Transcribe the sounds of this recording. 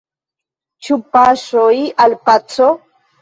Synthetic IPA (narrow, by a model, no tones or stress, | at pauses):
t͡ʃupaʃojʔalpat͡so